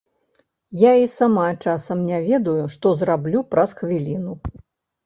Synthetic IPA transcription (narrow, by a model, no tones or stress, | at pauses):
jaisamat͡ʂasɐmnʲavʲɛd̪ujuʂt̪ɔzrablʲupɾɐsxvʲilʲinu